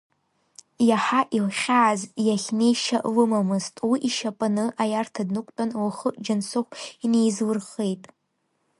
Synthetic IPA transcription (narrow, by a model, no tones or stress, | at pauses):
jaħaʔilχʲaːzjaχʲnejʃaʔlɨmamɨztʼwiʔiʃapʼanɨʔajartʰadnɨkʷʼtʼanwaχəʔʼd͡ʒansaχʷinejzwɨrχejtʼ